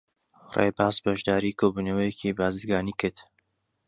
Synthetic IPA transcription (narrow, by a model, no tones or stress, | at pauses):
rḛbaːzbɐʒd̪aːɾiːkʰoːbuːnəwəjɛcʰibaːzɨd̪ɡaːniːkʰɨɾd̪